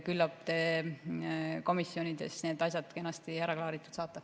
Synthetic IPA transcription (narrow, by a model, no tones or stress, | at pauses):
kylːɑb̥̚t̪e̞ː | ko̞misːjo̞nid̪̥e̞̰sne̞ːd̪̥ɑsʲjɑd̪̥ke̞nːɑst̪ihæɾɑklɑːɾit̪ːˑu̥t̪sɑːt̪ːˑɑ